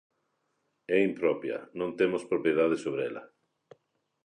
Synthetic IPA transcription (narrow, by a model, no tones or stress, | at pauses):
ɛimpɾɔpjɐ̰nõnt̪emospɾopjeðað̞esoβɾeɛlɐ̰